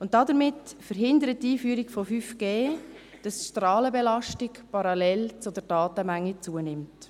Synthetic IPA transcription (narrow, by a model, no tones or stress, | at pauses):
ʊnt̚dɑdəɾmɪtfəɾɦɪndəɾət̚ːiːfyːɾikfofyfɡ̥eː | d̥ɑsʃtɾɑːləbɛlɑʃtɪkpɑɾɑlɛlt͡sʊdəɾdɑːtəmæŋːit͡suənɪmt